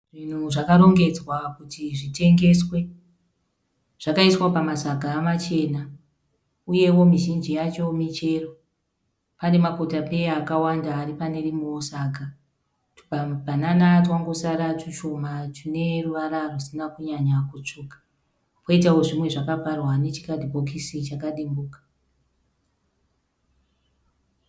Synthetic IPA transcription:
ʐin̤uʐakaɾo̞ŋɡe̞d͡zwakutiʐite̞ŋɡe̞swe̞ | ʐ̥akaiswapamasaɡʱaːmat͡ʃe̞na | uje̞wo̞miʒind͡ʒijat͡ʃo̞mit͡ʃe̞ro̞ | pane̞makotape̞jaːkawandaːripane̞rimosaːɡʱa | bʱananatwaŋɡosaɾatiʃo̞matʰine̞ruʋaɾarusinakuɲaɲakut͡ʂuːkḁ | poitawo̞ʐimwe̞ʐakaparwane̞t͡ʃi̥kadʱibʱo̞kisit͡ʃakaɗimbuːkḁ

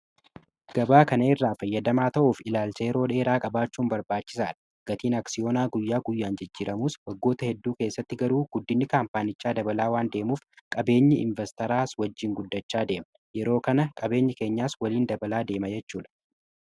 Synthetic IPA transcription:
ɡ̥ɐbaːkɐnɐɪrːaːfɐjːɐd̪ɐmaːt̪ɐʔuːfɪlaːlsɐjɛɾo̞ːᶑe̞ːɾaːkʼɐbaːt͡ʃːuːmbɐɾbaːt͡ʃːɪ̥saːᶑɐ̥ | ɡ̥ɐt̪iːnɐksɪjo̞ːnaːɡʊjːaːɡʊjːaːnd͡ʒɪd͡ʒːiːɾɐmuːswɐɡːo̞ːt̪ɐhɛd̪ːuːke̞ːsːɐt̪ːɪɡɐɾuːɡ̥ʊd̪ːɪnːɪkaːmpaːnɪt͡ʃːaːd̪ɐbɐlaːwaːnd̪e̞ːmuːfkʼɐbe̞ːɲːɪʔɪ̰ɱvɛst̪ɐɾaːswɐd͡ʒːɪŋɡʊd̪ːɐt͡ʃːaːd̪e̞ːm | jɛɾo̞ːkɐnɐkʼɐbe̞ːɲːɪke̞ːɲːaːswɐliːnd̪ɐbɐlaːd̪e̞ːmɐd͡ʒɛt͡ʃːuːᶑɐ̥

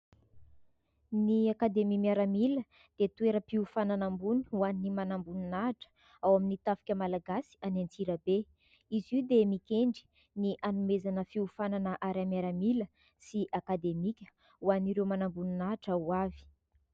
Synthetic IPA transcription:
niakad̪emimiaɾamilə | d̪̥et̪ueɾəpiufananambuni̥uannimanambununaɦʈ͡ʂə̥ | awaminit̪afi̥kʲəmalaɡasi̥anant͡siɾəbe | izid̪emikʲeɳɖ͡ʐi̥ | niʔanumezanəfiufananəʔaɾamjaɾamilə | siʔakad̪emikʲə̥ | uaniɾewmanambununaɦaʈ͡ʂəuavi̥

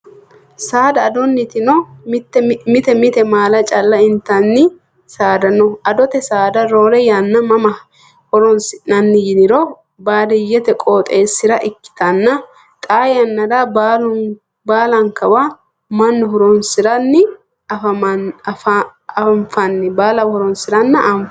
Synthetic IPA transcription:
saːd̪ɐːd̪ɔnːɪt̪ɪnɔt̪ːmɪt̪ɛmɪt̪ɛmaːlɐt͡ʃʼɐlːɐɪnt̪ɐnːɪ | saːd̪ɐnɔʔɐd̪ɔt̪ɛsaːd̪ɐɾo̞ːɾɛjɐnːɐmɐmɐ | hɔɾɔnsɪnɐnːɪjɪnɪɾɔ | baːd̪ɪjɛt̪ɛkʼoːt̪ʼeːsːɪɾɐʔɪkːɪ̥t̪ɐnːɐ | t̪ʼaːjɐnːɐdabalʊ | baːlɐŋkɐba | mɐnːɔɦɔɾɔnsɪɾɐnːɪ | ɐfɐf | ɱfɐnːɪbaːlɐhɔɾɔnsɪɾɐnːɐʔɐmf

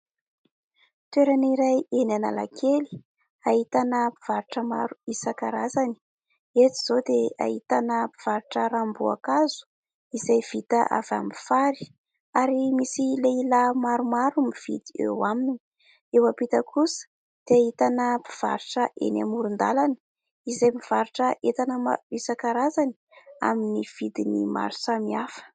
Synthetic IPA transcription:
t̪weɾaniɾajenana̰la̰kʰeli̥ | ahit̪anəpi̥v̥aɾiʈ͡ʂəmaɾuisakaɾazani̥ | et̪i̥z̥od̪ea̰ɦit̪anəpiv̥aɾiʈ͡ʂəɾambua̰kazu̥ | izajv̥it̪aʔa̰va̰mifaɾi̥ | aɾimisileilamaɾumaɾumiv̥ḭd̪iḛwamini | ewapit̪əkʰusə̥ | d̪̥eaɦit̪anəpi̥v̥a̰ɾuʈ͡ʂəʔḛna̰muɾund̪alani̥ | izajmiv̥aɾuʈ͡ʂəʔet̪anəma̰isakaɾazani | a̰miniv̥id̪inḭma̰ɾusamiafə̥

